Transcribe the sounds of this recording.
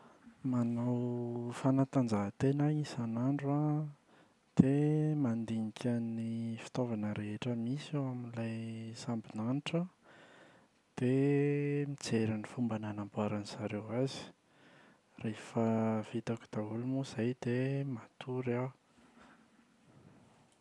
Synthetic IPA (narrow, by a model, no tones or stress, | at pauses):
manawfanat̪and͡zaɦt̪enaisanaɳɖ͡ʐa | d̪̥emand̪iŋikʰʲanifi̥t̪ovanəɾeɦeʈ͡ʂəmisoaminilajsambinaniʈ͡ʂə | d̪̥e | mit͡seɾanifumbananambuaɾaniz̥aɾewazi̥ | refəv̥it̪aku̥d̪̥aulumuz̥ajd̪emat̪ʰuɾa